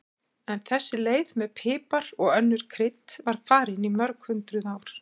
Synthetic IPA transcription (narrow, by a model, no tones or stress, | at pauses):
ɛnθɛsːɪleːjðmɛðpʰɪːpaɾɔɣœnːʏɾ̥kʰɾɪt̪vaɾ̥faːɾɪnimœɾkhʏnt̪ɾʏðaːwɾ̥